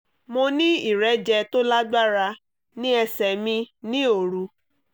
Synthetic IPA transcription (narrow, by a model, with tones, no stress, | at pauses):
mõ˧nĩ˦i˦˨ɾɛ˨˦d͡ʒɛ˧to˦la˦ɡ͡ba˦ɾa˧ | nĩ˦ɛ˧sɛ˨mĩ˧nĩ˦o˨ɾu˧˦